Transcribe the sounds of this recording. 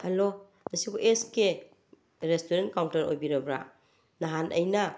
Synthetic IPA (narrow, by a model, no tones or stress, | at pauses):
alo | ɐsikoʔeske | ɾestoɾentkawntaɾo̰jbiɾɐbɾa̰ | naɦanʔə̰jna